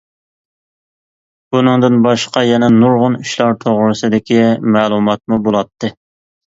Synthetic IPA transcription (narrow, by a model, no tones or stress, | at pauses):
bunɨŋd̪ɨnbɑʃqɑjɛnɛnuɾʁʊnyʃlˠɑɾt̪ʰoʁɾɨsɨd̪ɪkʲʰimæːlˠumɑt̪̚mubolˠɑt̪ʰːɨ